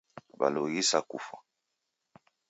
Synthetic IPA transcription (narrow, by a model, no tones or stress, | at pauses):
ba̰loɣisakufa